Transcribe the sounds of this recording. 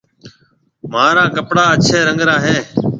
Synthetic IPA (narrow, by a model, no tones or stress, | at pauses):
mãːɾãːkəpɽaːət͡ʃʰeːɾəŋɡɾãːɦeː